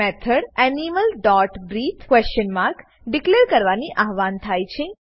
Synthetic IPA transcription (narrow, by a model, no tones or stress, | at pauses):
ɛt̪ʰəɽɛniməlɖɔʈɡɾit̪ʰkʋɛst͡ʃənmaɾk | ɖikleɾkəɾʋaniʔaɦʋant̪ʰajt͡ʃʰe